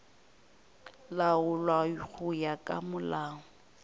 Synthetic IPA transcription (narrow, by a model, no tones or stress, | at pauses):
laʊlwaik͡xʰʊjakʼa̰mʊlaːŋʊ